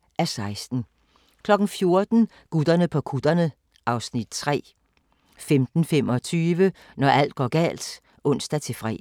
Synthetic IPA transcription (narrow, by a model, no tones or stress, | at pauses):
ʔæsɑ̈ɪsd̥n̩ | kʰlɒ̽ɡ̥n̩fjo̝ɐd̥n̩ | ɡ̥ud̥ɐnəpʰɒ̽kʰud̥ɐnə | ʔɑ̈ʊsnid̥t͡sʰʁɛ̰ː | femd̥n̩femɒ̽t͡sʰyːʋə | nɒæl̰d̥̚ɡ̥ɒ̰ːɡ̥ɛ̰ːl̰d̥ | ʔɔ̽n̰sd̥æt͡sʰe̝fʁɛ̰ː